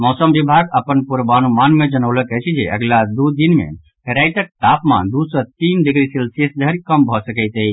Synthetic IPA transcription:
mɔsəmbibʱaɡəpənpuɾbanumanmed͡ʒənəʊləkɛt͡ʃʰɛd͡ʒḛʔə̰ɡlad̪ud̪inmḛ | ɦɛɾajt̪ək̚t̪apmã̰nd̪usət̪inɖiɡɾisilsesd̪ʱəɾikəmbʱɔsəkəɪt̪əɦi

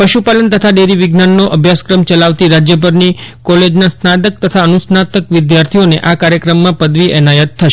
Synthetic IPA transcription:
pəʃupalənt̪ət̪ʰaɖeɾiʋɪɡnanːoʔəbʱjaskɾəmt͡ʃəlaʋt̪iɾad͡ʒjəbʱəɾnikɔled͡ʒnãsnad̪ək̚t̪ət̪ʰaənusnat̪əkʋɪd̪jaɾt̪ʰioneʔakaɾjəkɾəmːãpəd̪ʋiʔɛnajət̪ʰːəʃe

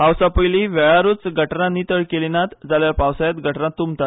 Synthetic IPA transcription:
ɦawsapəjliʋɛɭaɾuːt͡sɡʱəʈnanit̪əɭkelinat̪d͡zaljapawsajat̪ɡʱəʈnat̪ːumt̪at̪

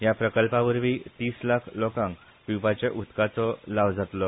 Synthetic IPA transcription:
ɦjapɾəkəlpãʋəɾʋiːt̪iːslakʰlokãŋk | pipat͡ɕeʔut̪kat͡sɔlaʋd͡zat̪lɔ

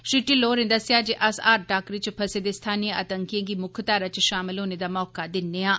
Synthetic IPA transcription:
ʃiʈiːloːɾẽːd̪əsɪjaːd͡ʒeʔəsaːɾʈaːkɾiːt͡ʃpʰəseːd̪eːst̪ʰaːniə̰ːt̪əŋkijãːɡiːmʊkʰt̪aːɾat͡ʃʃaːmɪlɦoːneːd̪aːmɔːkad̪ɪnːeːãː

